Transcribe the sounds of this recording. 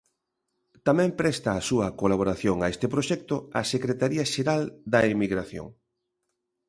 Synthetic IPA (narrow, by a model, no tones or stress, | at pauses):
t̪amɛ̃mpɾɛst̪aːsuɐkolaβ̞oɾaθjoŋaest̪epɾoʃɛk̚t̪ʊɐsekɾet̪aɾiɐʃeɾald̪ɐemiɣɾaθjo̰ŋ